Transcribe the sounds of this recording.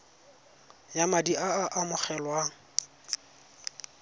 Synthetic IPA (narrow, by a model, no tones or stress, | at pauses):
jamadiaaʔamʊχɛlwa